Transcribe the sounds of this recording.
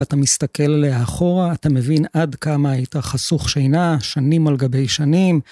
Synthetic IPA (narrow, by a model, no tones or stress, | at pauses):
at̪amist̪ake̞lleaχo̞ʁaːtame̞vinadkamaajitaχasuχʃejnaʃanimalɡabe̞jʃanim